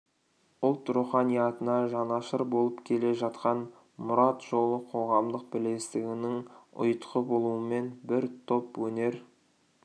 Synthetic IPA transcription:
ʊlˠt̪ɾuχɑnijɑt̪ənɑʒɑnɑʃəɾbo̞lˠəpkʲʰe̞le̞ʒɑt̪qɑn | mʊɾɑt̪ʒo̞lˠəqʰo̞ʁɑmd̪əq̚bɪle̞st̪ɪɡʲɪnɪŋʊ̰jt̪qəbo̞lˠuəme̞nbɪɾt̪ʰo̞pwɵne̞ɾ

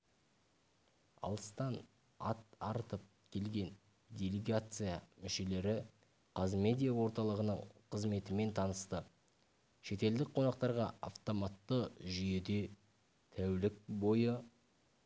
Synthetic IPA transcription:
ɑ̰lˠəst̪ɑn | a̰t̪ɑɾt̪əp̚ | kʲʰe̞lɡʲe̞n | d̪ʲelʲeɡat̪sɨjamʏʃe̞le̞ɾɪ | qʰɑzme̞d̪ʲijawo̞ɾt̪ɑlˠəʁənəɴqʰəzme̞t̪ɪme̞nt̪ʰɑnəst̪ə | ʃe̞t̪e̞ld̪ɪk̚qʰo̞nɑq̚t̪ɑɾʁɑa̰ft̪o̞mɑt̪ːəʒʏje̞d̪e̞ | t̪ʰæwlɪk̚bo̞jə

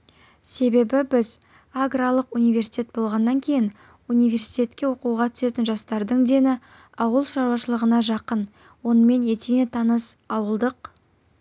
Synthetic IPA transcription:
se̞be̞bɪbɪz | aɡralˠəqunijvʲe̞rsi̥t̪ʲe̞t̪̚bo̞lˠʁɑnːɑŋkʲʰe̞jɪn | unijvʲe̞ɾsit̪ʲe̞t̪kʲe̞wo̞quʁɑt̪ʰʏ̥se̞t̪ɪnʒɑst̪ɑɾd̪əɴd̪e̞nɪ | ɑwəlˠʃɑɾwɑʃəlˠəʁənɑʒɑqən | wo̞nəme̞ne̞t̪enet̪ʰɑnəsɑwəlˠd̪əq

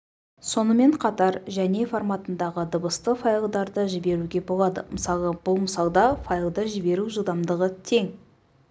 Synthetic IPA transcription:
so̞nəme̞ɴqʰɑt̪ɑɾʒæne̞formɑt̪ənd̪ɑʁəd̪əbəst̪əfɑjlˠd̪ɑɾd̪əʒɪbe̞ɾuɡʲe̞bo̞lˠɑd̪ə̰məsɑlˠəb̥ʊlˠməsɑlˠd̪ɑfajəlˠd̪əʒɪbe̞ɾuʒəlˠd̪ɑmd̪əʁət̪ʰe̞ŋ

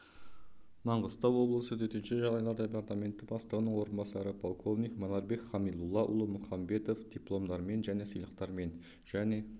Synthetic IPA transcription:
mɑɴʁəst̪ɑwwo̞blˠəsət̪ʰɵt̪ɪnʃɪʒɑʁd̪ɑjlˠɑɾd̪epaɾt̪amʲe̞nt̪ːɪbɑst̪əʁənəɴwo̞ɾənbɑsɑɾəpʰolˠkʰo̞vnʲikmonɑɾbe̞kχɑmijlˠulˠːɑʔʊ̰lˠəmʊχɑmbe̞t̪o̞fd̪̥ʲiplˠo̞md̪ɑɾme̞nʒæne̞səjlˠəqt̪ɑɾme̞n | ʒ̥æne̞

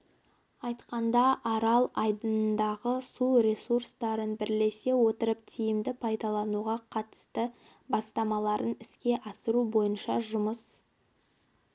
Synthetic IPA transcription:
ɑjt̪qɑnd̪ɑʔɑɾɑlˠɑjd̪ənnd̪ɑʁəsuɾʲe̞surst̪ɑɾənbɪɾle̞se̞wo̞t̪əɾəp̚t̪ʰijɪmd̪ɪpʰɑjd̪ɑlˠɑnuʁɑqʰɑt̪ə̥st̪ə | bɑst̪ɑmɑlˠɑɾʔənɪskʲe̞ʔɑsəɾubo̞jənʃɑʒʊməs

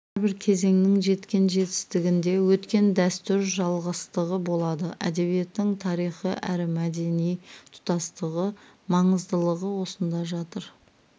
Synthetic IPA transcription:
ɪɾbɪɾkʲʰe̞ze̞ŋnɪŋʒe̞t̪kʲe̞nʒe̞t̪ɪ̥st̪ɪɡʲɪnd̪e̞wɵt̪kʲe̞nd̪æst̪ʏɾʒɑlˠʁəst̪əʁəbo̞lˠɑd̪əæ̰d̪e̞βije̞t̪ːɪŋt̪ʰɑɾijχəʔæɾɪmæd̪e̞nijt̪ʰʊ̥t̪ɑst̪əʁəmɑɴəzd̪əlˠəʁəwo̞sənd̪ɑʒɑt̪əɾ

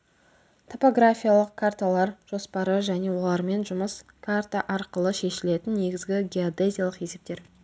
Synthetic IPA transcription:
t̪ʰo̞po̞ɡɾafʲijalˠəq̚kʰart̪alˠɑɾʒ̥o̞spɑɾəʒæne̞wo̞lˠɑɾme̞nʒʊməskʰart̪aʔɑɾqəlˠəʃe̞ʃɪle̞t̪ɪnːe̞ɡʲɪzɡʲɪɡʲeod̪ezʲijalˠəqje̞se̞p̚t̪e̞ɾ

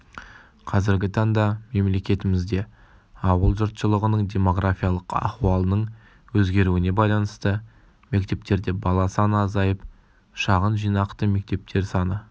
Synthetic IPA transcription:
qʰɑzɪɾɡʲɪt̪ʰɑɴd̪ɑme̞mle̞kʲe̞t̪ɪmɪzd̪e̞ | ɑwəlˠʒʊɾt̪ʃəlˠəʁənəɴd̪ʲe̞mo̞ɡrafʲijalˠəqɑ̰χuɑlˠənəɴ | wɵzɡʲe̞ɾuɪne̞bɑjlˠɑnəst̪ə | me̞kt̪e̞p̚t̪e̞ɾd̪e̞bɑlˠɑsɑnɑzɑjəp | ʃɑʁənʒijnɑqt̪əme̞k̚t̪e̞p̚t̪ʰe̞ɾsɑnə

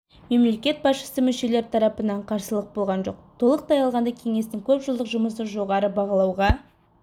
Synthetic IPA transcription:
me̞mle̞kʲe̞t̪̚bɑsʃə̥səmʏʃe̞le̞ɾt̪ʰɑɾɑpənɑɴqʰɑɾsəlˠəq̚bo̞lˠʁɑnʒo̞q̚t̪ʰo̞lˠəq̚t̪ʰɑjɑlˠʁɑnd̪ɑkʲʰe̞ŋe̞st̪ɪŋkʲʰɵpʒəlˠd̪əqʒʊməsəʒo̞ʁɑɾəbɑʁɑlˠɑwʁɑ

